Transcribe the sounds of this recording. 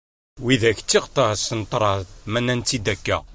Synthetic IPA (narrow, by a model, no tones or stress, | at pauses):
wiðæçt͡s̪ːiqt̪ˤɑsənt̪ˤɾˤɑmænːænt̪ːid̪ækːæ̰